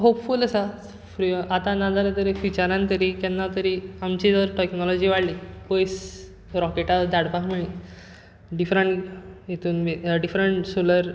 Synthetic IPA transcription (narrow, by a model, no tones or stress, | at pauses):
ɦopfuləsa | fɾiat̪ãnad͡zalət̪əɾifʋit͡ɕaɾãnt̪əɾikanːat̪əɾiamt͡ɕid̪əɾʈeknɔlɔd͡ʑiːʋaɽlipojs | ɾɔkeʈad̪aɽpaɦmeɭi | ɖifɾəɳʈjet̪ʰuːnmiɖifɾəɳʈsoləɾ